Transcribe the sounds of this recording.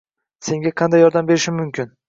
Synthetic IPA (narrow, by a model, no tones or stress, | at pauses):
se̞ŋɡʲaqʰɑnd̪ajːɒɾd̪ambe̞ɾɪʃɪmmʊmkʲɪn